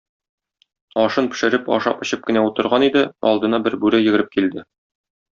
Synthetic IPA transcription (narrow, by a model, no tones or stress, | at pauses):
ɒʃɤnpɘ̥̆ʃɘ̆ɾɘpɒ̰ʃɑ̰pɤ̆ɕɤp̚kɘ̆næut̪ɤ̆ɾʁɑnid̪ɘɒ̰lˠd̪ɤ̆nɑbɘɾbʉɾæjɘ̆ɡɘ̆ɾɘp̚kild̪ɘ